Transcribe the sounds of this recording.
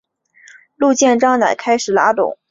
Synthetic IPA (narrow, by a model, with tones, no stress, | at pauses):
lu˥˧t͡ɕjɛ˥˧nʈ͡ʂɑ˥ŋna˨˩ɪkʰa˥ɪʂɻ̩˨˩la̰˧˥t̪ʊ̰˨˩˦ŋ